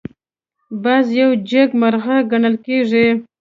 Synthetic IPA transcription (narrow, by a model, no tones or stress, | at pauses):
bɑzjawd͡ʒaɡmaɾɣaɡaɳəlkeʐi